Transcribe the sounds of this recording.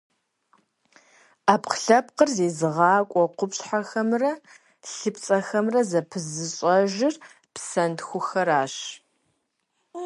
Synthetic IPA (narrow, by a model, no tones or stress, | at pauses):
aːpqɬɐp̚qərzeːzɨʁɑːkʷʼɔqʷʊpɕħaxɐmrɐ | ɬɨpʰt͡sʼɐxɐmrɐzɐpʰɨzɨɕʼɐʒɪr | psɐntxʷʊxɐɾaːɕ